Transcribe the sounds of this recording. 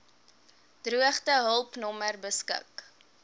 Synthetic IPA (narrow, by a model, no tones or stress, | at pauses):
d̥ruəχtəɦəlˠpnɔmərbəskə̰k